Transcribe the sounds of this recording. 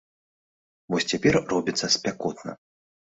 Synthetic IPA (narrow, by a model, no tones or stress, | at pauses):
vɔsʲt͡sʲapʲɛrrɔbʲit̪sːɐsʲpʲakɔt̪nɐ̰